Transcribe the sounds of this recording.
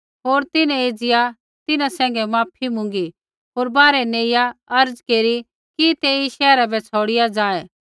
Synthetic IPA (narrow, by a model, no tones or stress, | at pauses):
ɦoːɾt̪ɪnɛ̃eːd͡zɪja | t̪ɪnãsɛ̃ːŋ̆ɡɛmaːpʰimʊ̃ŋɡi | ɦoːɾbaːɾɛneːjaɐɾd͡zkeːɾi | kit̪eiʃɛːɾabʱɛt͡sʰoːɽɪjad͡zaːɛ